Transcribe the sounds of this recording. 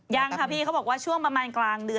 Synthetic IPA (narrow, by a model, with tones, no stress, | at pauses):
jaː˧ŋkʰa˦˥˩pʰiː˥˩ka˦˥bɔː˨˩waː˥˩t͡ɕʰu˥˩əŋpɾa˧maː˧nklaː˧ŋdɯ˧ə